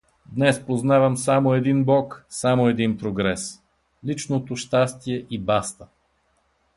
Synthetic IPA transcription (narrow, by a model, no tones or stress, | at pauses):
d̪nɛspoznavɐmsamoɛd̪inbɔksamoɛd̪inpɾoɡɾɛs | lit͡ʃnot̪oʃt̪ast̪iɛʔibast̪ə